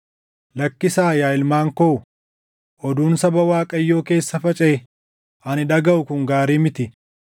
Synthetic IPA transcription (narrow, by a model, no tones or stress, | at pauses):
lɐkːɪsaːjaːɪlmaːŋkoʊ | ʔɔd̪uːnsɐbɐwaːkʼɐjːo̞ːke̞ːsːɐfɐt͡ʃʼɛː | ʔɐnɪᶑ̪ɐɡɐʔʊkʊŋɡaːɾiːmɪt̪ɪ